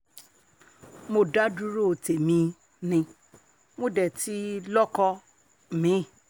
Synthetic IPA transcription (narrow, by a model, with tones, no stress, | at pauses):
mo˧da˦du˦ɾo˦˧˨te˨mĩ˧ | nĩ˧ | mõ˦˨dɛ˨ti˨˦lɔ˦kɔ˧˨ | mĩ˨˦˨